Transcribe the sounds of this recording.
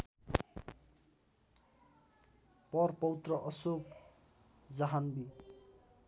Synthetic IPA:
pʌrpʌwut̪rʌʔʌsok | d͡zaɦanbi

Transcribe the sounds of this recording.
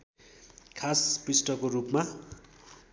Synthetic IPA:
kʰaspisʈʌkorupma

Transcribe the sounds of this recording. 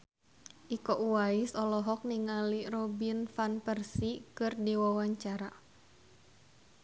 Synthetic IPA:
ʔikɔʔuwaisɔlɔɦɔk̚niŋalirɔbinfanpərsikɨrdiwawaɲt͡ʃaɾa

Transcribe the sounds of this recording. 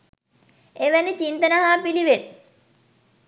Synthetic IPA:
eʋænit͡ɕint̪ənəɦaːpiliʋet̪̚

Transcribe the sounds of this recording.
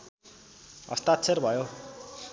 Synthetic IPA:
ʌ̰st̪at̪sʰerbʱʌjo

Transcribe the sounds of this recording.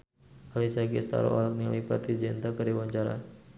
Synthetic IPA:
alisaɡist̪a̰ɾɔ̰ʔɔɾak̚nilapɾa̰t̪id͡ʒɛnt̪akəɾiwaɲt͡ʃaɾa̰

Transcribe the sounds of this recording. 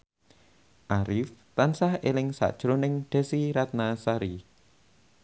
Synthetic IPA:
ʔaɾɪft̪ansahelɪŋsa̰ʔd̥ʒ̥ɾonɪŋd̪̥e̤siɾat̪̚nasaɾi

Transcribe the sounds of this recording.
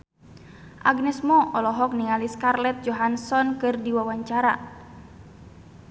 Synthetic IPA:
ʔaɡnɛsmɔɔlɔɦɔk̚niŋaliskarlɛt̪̚d͡ʒɔɦansɔnkɨrdiwawaɲt͡ʃaɾa

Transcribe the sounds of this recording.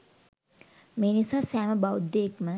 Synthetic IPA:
meːnisaːsæːməbawd̪ːekmə

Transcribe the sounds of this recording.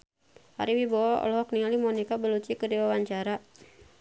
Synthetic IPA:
ha̰ɾiwibowaɔ̰lɔɦɔk̚niŋalimɔnikabəlut͡ʃikədiwawaɲt͡ʃaɾa

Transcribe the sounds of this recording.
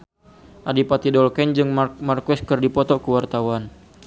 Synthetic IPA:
ʔadipat̪idɔlkɛɲd͡ʒɨŋmarkɔskɨrdipɔt̪ɔkəwart̪awan

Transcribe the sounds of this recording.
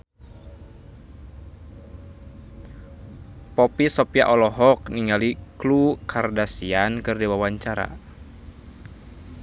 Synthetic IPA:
pɔpisɔpia̰ʔɔlɔɦɔk̚niŋaliklukʰardasiankɨrdiwawaɲt͡ʃaɾa̰

